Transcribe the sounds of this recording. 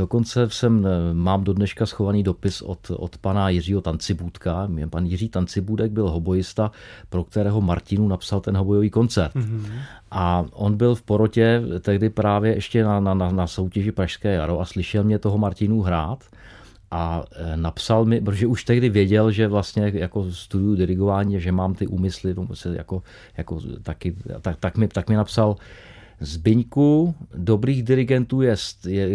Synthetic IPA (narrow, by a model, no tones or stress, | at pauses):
doko̞nt͡sɛsɛmːaːmdo̞dnɛʃkasxo̞vaniːdo̞pɪso̰t̪ʔo̰t̪panajɪr̝iːɦo̞t̪ant͡sɪbuːt̪kaɛpanjɪriːt̪ant͡sɪbuːdɛɡ̚bɪlɦo̞bo̞jɪst̪apɾo̞k̚t̪ɛɾɛːɦo̞maɾcɪnuːnapsalt̪ɛnɦobo̞joviːko̞nt͡sɛɾt̪ʔaʔo̞nbɪlfpo̞ɾo̞cɛt̪ɛɣdɪpɾaːvjɛʔɛʃcɛnanananaso̞wcɛʒɪpɾaʃskɛːjaɾoʔaslɪʃɛlmɲɛt̪o̞ɦomaɾcɪnuɦɾaːt̪ | ʔanapsalmɪpɾot̪oʒɛʔuʃt̪ɛɣdɪvjɛɟɛlʒɛvlast̪ɲɛjako̞st̪udujʊdɪɾɪɡovaːɲiːaʒɛmaːmt̪ɪʔuːmɪslɪt̪omposɛja̰ko̞ | jakot̪akɪ̰t̪at̪akmɪt̪akmɪnapsal | zbɪɲkudo̞bɾiːɣdɪɾɪɡɛnt̪uːjɛst̪jɛ